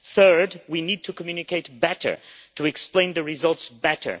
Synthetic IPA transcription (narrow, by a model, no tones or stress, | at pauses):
θɜ˞dwinid̚tʰukəmjʉnɨkeɪt̚bɛɾə̰˞tʰuɛksplẽɪ̃nðɨɹizʌlˠtsbɛɾə̰˞